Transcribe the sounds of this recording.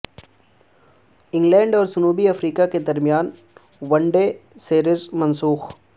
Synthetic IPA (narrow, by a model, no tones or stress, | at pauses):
ɪ̃ŋɡlɛ̃ːɳɖɔːɾd͡ʒʊnuːbiɐfɾiːkaked̪ɐɾmijaːn | ʋɐɳɖeːseːɾɪzmɐ̃nsuːx